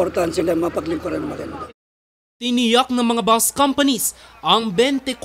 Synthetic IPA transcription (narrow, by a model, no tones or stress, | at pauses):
oɾt̪aɐnsɐlɐŋmapɐklɪŋkoɾɐnmɐkɛn | t̪ɪnijak̚nɐŋmɐŋabaskɐmpɐnisʔɐŋbɛnt̪ɛk